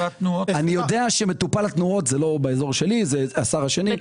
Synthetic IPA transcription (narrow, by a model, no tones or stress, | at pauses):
at̪nuoanijo̞d̪eaʃeme̞t̪upalat̪nuo̞t̪zelo̞beezo̞ʁʃe̞lizeasaʁaʃenim